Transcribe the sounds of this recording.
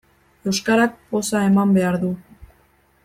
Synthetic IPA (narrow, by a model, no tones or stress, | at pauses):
e̞wskaɾak̚po̞sae̞mambe̞aɾðu